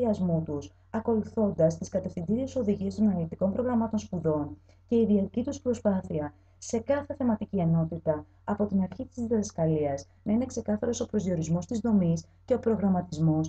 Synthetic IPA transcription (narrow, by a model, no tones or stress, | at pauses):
iɐzmut̪us | ɐko̞luθo̞nd̪ɐst̪iskɐt̪e̞fθind̪iɾieso̞ðiʝiest̪o̞nɐlit̪iko̞mpɾo̞ɣɾɐmɐt̪o̞nspuðo̞n | ce̞iðiɐt̪icit̪uspɾo̞spɐθiɐ | se̞kɐθe̞θe̞mɐt̪icie̞no̞t̪it̪ɐː | po̞t̪inɐɾçit̪izðiɐðɐskɐliɐz | nɐine̞kse̞kɐθɐɾo̞so̞pɾo̞zio̞ɾizmo̞st̪izðo̞mis | ce̞o̞pɾo̞ɣɾɐmɐt̪izmo̞s